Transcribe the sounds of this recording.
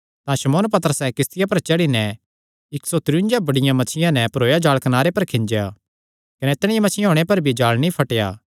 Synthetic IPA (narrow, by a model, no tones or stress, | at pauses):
t̪ãʃɐmoːnpɐt̪əɾəsɛ̃kɪst̪ɪjapɐɾt͡ʃɐɽinɛ | ɪksot̪ɾʊʊ̃nd͡ʒjabɐɽɪjãmɐt͡ʃʰɪjãnɛ̃pɐɾoːjad͡ʒaːɭkɐnaːɾepɐɾkʰɪ̃nd͡ʒeja | kɐnɛt̪ɽ̃ɪjãmɐt͡ʃʰɪjãɦoːɽ̃epɐɾbʱid͡ʒaːɭnĩpʰɐʈeja̰ː